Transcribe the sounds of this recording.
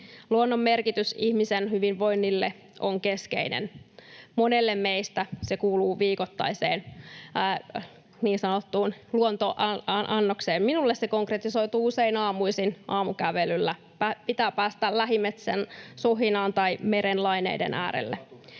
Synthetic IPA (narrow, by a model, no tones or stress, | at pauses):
luonːomːerkit̪ysihmisenhyʋinʋo̞inːilːe | ʔoŋke̞skḛinḛnmonelːemmeist̪æsekuːluːʋiːkot̪ːɑ̰isḛːnː | niːnsɑnot̪ːuːnluont̪oʔʔɑnːokseːmminulːessekoŋkret̪iso̞it̪uːuseinɑːmuisinʔɑːmukæʋelylːæ | pæpit̪æːpæːst̪ællæɦimːet̪sensoɦinɑːnt̪ɑimeɾenlɑjnḛidḛnæ̰ːɾḛlːe